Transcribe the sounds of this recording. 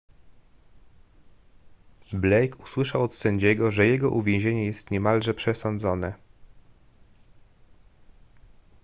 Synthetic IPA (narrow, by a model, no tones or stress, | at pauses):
blɛjkuswɘʂawɔt̪sɛɲd͡ʑɛɡɔʐɛjɛɡɔʔuvʲẽw̃ʑeɲɛjɛst̪ɲɛmalʐɛpʂɛsɔnd̪zɔnɛ